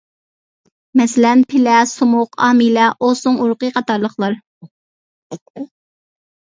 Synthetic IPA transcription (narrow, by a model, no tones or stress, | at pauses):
mɛsɪlɛnpʰɪlɛsumʊqɑːmilɛʔosʊŋuɾqəqʰɑt̪ɑɾlˠəχlˠɑɾ